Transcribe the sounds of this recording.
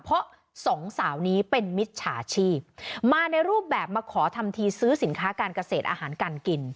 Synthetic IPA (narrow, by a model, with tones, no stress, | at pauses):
pʰɔ˦˥ʔ | sɔ˩˦ŋsaː˩˦wniː˦˥pe˧nmi˦˥t̪̚t͡ɕʰaː˨˦t͡ɕʰiː˥˩p̚maː˧na˧jɾuː˥˩p̚bɛː˨˩p̚maː˧kʰɔː˩˦t̪ʰa˧mt̪ʰiː˧sɯː˦˥si˩˦nkʰaː˦˥kaː˧nka˧seː˨˩t̪ʔaː˧haː˩˦nkaː˧nki˧n